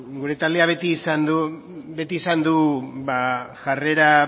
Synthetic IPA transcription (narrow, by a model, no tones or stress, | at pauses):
ɡuɾe̞t̪ald̪eaβ̞e̞t̪iːsand̪u | be̞t̪iːsand̪ubaʝare̞ɾa